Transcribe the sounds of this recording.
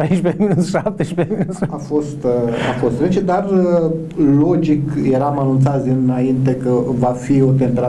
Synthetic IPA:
ɾejʃpeʃap̚t̪eʃpeafo̞st̪a̰fo̞st̪zet͡ʃed̪arə | lo̞d͡ʒikje̞ɾamanunt̪sat̪sʲɨnaint̪̬e̞kəvafio̞t̪̬ent̪ɾa

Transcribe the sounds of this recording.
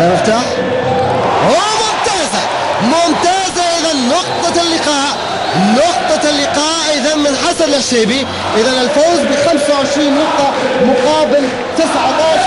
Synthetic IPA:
lamɪft̪aːħ | ʔomʊmt̪aːza | mʊmt̪aːzaʔɪðanːʊq̚t̪ˤɑlːɪqɑːʔ | nʊqt̪ˤɑlːɪqɑːʔʔɪðanmɪnħasad̪laʃeːbi | ʔɪðanɪlfoːzbixamsawʕɪʃɾiːnːʊq̚t̪ˤːɑmʊqɑːbɪl | t̪ɪsʕat̪ɑːʃ

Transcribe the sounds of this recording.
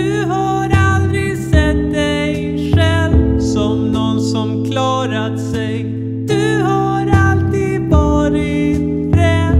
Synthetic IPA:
ɵ | ɦa | ɾald̪ɾɪsɛt̪̚d̪ɛ | j | ʂɛlvsɔmnɔnsɔmkʰlɑːɾat̪sɛj | d̪̥ɵɦa | ɾalt̪iːd̪vɑːɾɪ | ɾɛ

